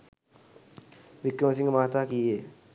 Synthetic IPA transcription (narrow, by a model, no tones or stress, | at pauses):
ʋikɾəməs̬iŋɡəmaːt̪aːkije